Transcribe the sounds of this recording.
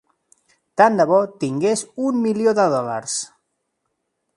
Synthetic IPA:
t̪and̪aβɔt̪iŋɡezummiljoðəðɔla̰ɾs

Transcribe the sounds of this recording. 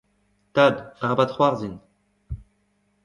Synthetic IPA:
t̪ad̪aʁabat̪χwaʁzin

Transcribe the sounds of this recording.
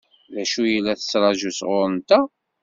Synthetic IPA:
læʃujəlːæθə̥sɾˤɑʒusʁʊɾˤənt̪æ

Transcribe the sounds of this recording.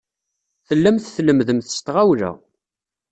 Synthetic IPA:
θəlːæmθθləmðəmθə̥st̪ʁawlæ̰

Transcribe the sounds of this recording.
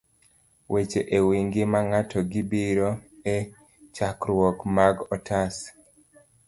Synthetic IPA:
wʔet͡ʃeʔewiŋɡɪmaŋatʰɔɡibiɾoe | t͡ʃakɾwɔkmaɡɔtʰas

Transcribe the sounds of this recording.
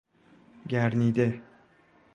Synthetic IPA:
ɡʲæɾnid̪ɪ

